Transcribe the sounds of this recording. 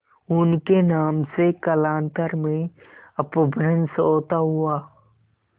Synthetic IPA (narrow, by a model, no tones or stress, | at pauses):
ʊnkenaːmsekəlaːnt̪əɾmẽ | ɐpəbʱɾənsoːt̪aɦʊaː